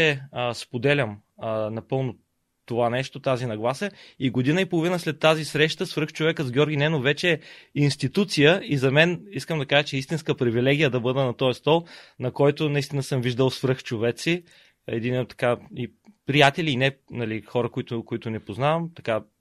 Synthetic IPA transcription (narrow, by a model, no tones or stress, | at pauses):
ɛspod̪ɛlʲəm | nɐpɤlˠnʊ | t̪ovanɛʃt̪ot̪azinɐɡlˠasəiɡod̪inəipolˠovinəslɛt̪ːazisɾɛʃt̪əsfɾɤxt͡ʃovɛkəzɡʲjɔɾɡʲinɛnovɛt͡ʃɛːinst̪it̪ut̪sijəizɐmɛniskəmd̪ɐkaʒət͡ʃɛist̪inskəpɾivilɛɡ̟ʲijəd̪ɐbɤd̪ɛnɐt̪ɔjst̪ɔlˠnɐkɔjt̪ʊnɐist̪inəsɤmviʒd̪əlˠsfɾɤxt͡ʃovɛt̪si | ɛ̰d̪int̪ːɐ̥kaipɾijat̪ɛliːnɛnɐlixɔɾəkoit̪ʊkoit̪ʊnɛpoznavɐmt̪ɐka